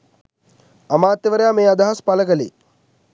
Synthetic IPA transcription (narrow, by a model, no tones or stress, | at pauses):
ɐmaːt̪ːjeʋəɾejaːmeːad̪aɦaspaləkəlḛː